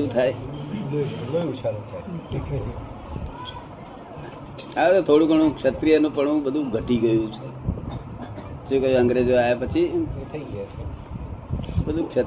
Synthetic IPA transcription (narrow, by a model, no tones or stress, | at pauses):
ũt̪ʰae | bəũʋiʃalũt̪ʰaeʈekʰeɾ | aʋet̪ot̪ʰoɽũkəɳ̃ũkʃət̪ɾijənũpəɳ̃ũbəd̪ʱũɡʱəʈiɡəjũt͡ʃʰe | sũkəjəŋɡɾed͡ʒoajapət͡ʃʰit̪ʰəiɡəjat͡ʃʰe | bəd̪ʱũkʃə